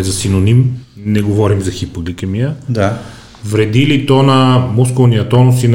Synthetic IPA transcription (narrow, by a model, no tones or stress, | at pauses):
zɐsinonim | nɛɡovɔɾimzɐxipoɡlikəmijəd̪a | vɾɛd̪ilit̪ɔnɐmuskolˠnijɐt̪ɔnʊsin